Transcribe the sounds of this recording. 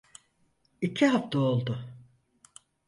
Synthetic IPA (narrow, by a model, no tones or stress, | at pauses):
icʰiɦaft̪ʰaolˠd̪ʊ